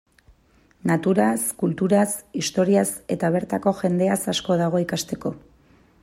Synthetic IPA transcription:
nat̪uɾaskult̪uɾasist̪o̞ɾiase̞t̪aβ̞e̞ɾt̪ako̞ʝe̞nd̪e̞asasko̞ð̞aɣ̞o̞ikast̪e̞ko̞

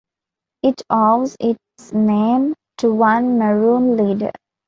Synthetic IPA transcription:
ɪʈʰɔʋzɪʈ | snẽːm | ʈuʋʌ̃nməɹũːnliːɖə̰ɾ

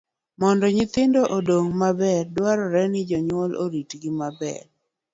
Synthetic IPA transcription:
mɔndɔɲɪt̪ɪndɔʔodoŋmabɛɾdwaɾɔɾɛnɪd͡ʒɔɲwɔlo̰ɾitɡɪmabɛ̰ɾ

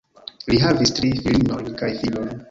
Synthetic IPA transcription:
liɦavistɾifilino̞jnkajfilojn

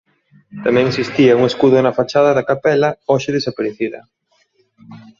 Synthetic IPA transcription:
t̪amɛ̃ŋesist̪iɐuŋeskuðʊnɐfat͡ʃaðɐðɐkapɛlɐɔʃɪðesapaɾeθiðɐ̰

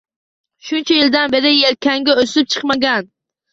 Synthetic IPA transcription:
ʃunt͡ʃʰɛjɪld̪anbeɾɪjeɾkʲʰɛŋɡʲɛøsɪp̚t͡ʃʰɨ̥qmaɡʲɛn

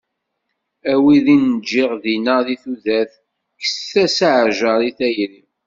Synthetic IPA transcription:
æwiðinəd͡ʒːɪʁðinəðiθuðæθ | ksθæsaʕʒəɾˤiθæjɾim

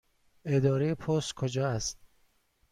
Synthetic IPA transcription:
ed̪ɒːɾejepʰoskʰod͡ʒɒːæst̪̚

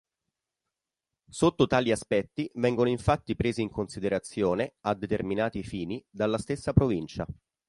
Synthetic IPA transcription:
sot̪ːot̪aːliaspɛt̪ːivɛŋɡonoiɱfat̪ːipɾeːziːŋkonsid̪eɾat̪sːjoːnead̪ːet̪erminaːt̪ifiːnid̪alːast̪esːapɾovint͡ʃa

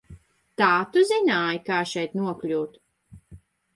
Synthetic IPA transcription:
t̪aːt̪uzinaːjkaːʃɛjt̪nuɔklʲuːt̪

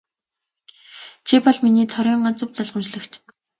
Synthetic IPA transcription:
t͡ɕʰipɔɮminiːt̪ʰɔɾʲiːɴɢɔn̥t͡sə̆wt͡saɮʁə̆mt͡ɕɮə̆xt͡ɕ

